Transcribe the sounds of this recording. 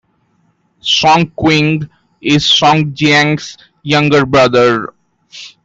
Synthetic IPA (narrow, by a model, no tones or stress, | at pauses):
sɔ̃ŋkwɪ̃ŋɡ | ɪzsɔ̃ŋd͡ʒæ̃ŋs | jʌ̃ŋɡəɾbɾʌd̪əɾ